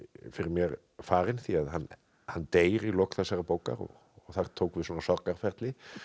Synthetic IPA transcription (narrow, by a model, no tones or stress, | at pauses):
fɪɾɪɾmjɛɾ | faːɾɪnθiaðɦanː | hanːt̪eːjɾɪɣlowkθasaɾapoːwka̰ɾɔ̰ɣ | ɔɣθaɾt̪ʰoːwkvɪsɔːnasɔrkaɾ̥fɛɾt̪lɪ